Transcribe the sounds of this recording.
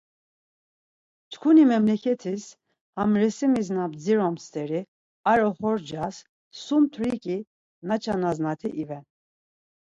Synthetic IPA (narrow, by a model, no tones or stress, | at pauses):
t͡ʃʰkʰunimɛmlɛkʰɛt̪ʰis | hamɾɛsimiznabd͡ziɾɔmst̪ʼɛɾi | aɾɔχɔɾd͡ʒas | sumt̪ʰɾikʼi | nat͡ʃʰanaznat̪ʰiʔivɛn